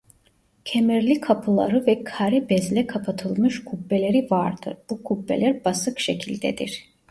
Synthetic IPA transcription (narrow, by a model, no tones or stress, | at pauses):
cʰemɛɾlʲikʰapʰɯlˠa̰ɾɯvɛkʰaɾɛbɛzlʲɛkʰapʰat̪ʰɯlˠmɯʃkʰubːelʲe̞ɾivaɾd̪ɯ̰ɾb̥ukʰubːelʲæɾbasɯkʃe̞cʰilʲd̪ɛd̪ḭɾ̥